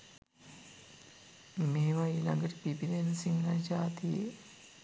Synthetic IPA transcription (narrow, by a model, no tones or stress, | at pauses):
meːʋailaŋɡəʈəpipid̪ensiŋnad͡ʒaːt̪ije